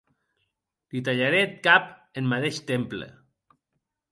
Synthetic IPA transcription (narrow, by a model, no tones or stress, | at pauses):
lit̪aʎaɾet̪̚kapenmat̪eʃt̪emplḛ